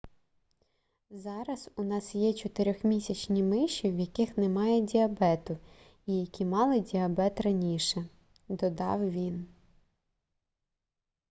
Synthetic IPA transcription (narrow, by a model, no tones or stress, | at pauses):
zɑɾɐzʊnɑsjɛt͡ʃɔt̪ɪɾʲɔxmʲisʲɐt͡ʃnʲimɪʃiwjɐkɪxnɛmɑjɛdʲiɐbɛt̪ʊ | ijɐkʲimɑlˠɪdʲiɐbɛt̪rɐnʲiʃɛ | d̪ɔd̪ɑ̰wʋʲin